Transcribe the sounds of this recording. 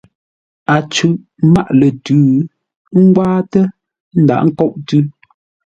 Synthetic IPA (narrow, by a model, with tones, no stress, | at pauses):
a˨t͡ʃʉ˨ʔ | ma˦˨ʔlə˨tʉː˨˦ | ŋ̩˦ɡwaː˦tɛ˦ | n̩˦da̰˨ʔŋ̩˦kɔ˦ʔtʉ˦